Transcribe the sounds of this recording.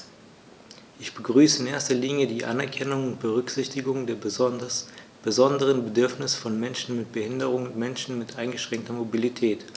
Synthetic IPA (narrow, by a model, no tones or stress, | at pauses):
ʔɪçb̥əɡʁyːsəɪnʔeːɐstɐliːnjədiːʔa̰nɛɐkʰɛnʊŋʊntb̥əʁʏkz̥ɪçtɪɡʊŋdeːɐ | b̥əzɔndəʁ̞ənbədʏɐfnɪsfɔnmɛnʃn̩mɪt̚b̥əhɪndəʁʊŋʊntmɛnʃn̩mɪtʔaɪnɡəʃʁ̥ɛŋk̚tɐmobilitʰɛːt